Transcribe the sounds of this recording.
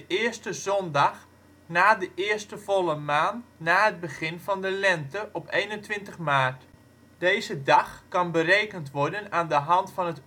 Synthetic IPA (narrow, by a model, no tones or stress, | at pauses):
əʔɪəɹstəzɔndɑχ | naːdəʔɪːɹstəvɔlˠəmaːntnaːɦəd̚bəχɪnvɑndəlɛntəʔɔpejnəntʋɪntəχmaːrt | d̥ejzədɑχkɑnbərejkəntʋɔɹdənaːndəɦɑntfɑnət